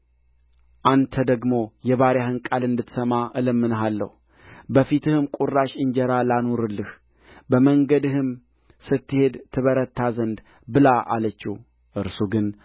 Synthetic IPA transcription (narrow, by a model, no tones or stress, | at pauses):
ʔant̪ʰəd̪əɡmo̞jɛβaɾjahɨnkʼalɨnd̪ɨt̪ːsəmaʔɨləmːɨnɦalːə̰hu | bəfit̪ʰɨhɨmkʼurːaʃɨɲd͡ʒɛɾalanoɾɨlːɨh | bəməŋɡəd̪ɨhɨm | sɨt̪ːɨhe̞d̪t̪ʰɨβəɾət̪ʰːazənd̪ | bɨlaʔa̰lət͡ʃːi | ʔɨɾsuɡɨn